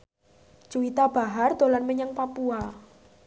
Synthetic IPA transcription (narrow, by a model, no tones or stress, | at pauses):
t͡ʃuit̪ab̥a̤ɦard̪̥o̤lanməɲəŋpapua